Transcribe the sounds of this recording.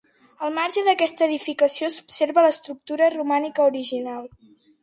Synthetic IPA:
əlˠmaɾʒəðəkɛst̪əːðifikəsiosu̥pseɾβələst̪ɾuk̚t̪uɾərumanikəuɾiʒinalˠ

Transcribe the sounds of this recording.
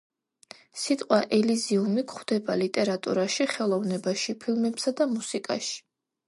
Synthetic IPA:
sit̪ʼqʼwaʔɛliziumikχwd̪̥ɛbalit̪ʼɛɾat̪ʼṵɾaʃiχɛlˠɔvnɛbaʃipʰilˠmɛpsad̪amusikʼa̰ʃi̥

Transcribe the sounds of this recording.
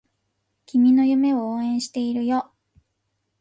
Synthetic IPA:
kʲimʲino̞jɯ̟me̞ooːẽ̞ɰ̃ɕi̥t̪e̞iɾɯ̟jo

